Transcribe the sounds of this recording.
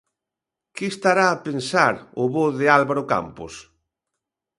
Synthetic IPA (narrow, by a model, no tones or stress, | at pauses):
kɪːst̪aɾaːpensaɾʊβoðɪalβaɾʊka̰mpos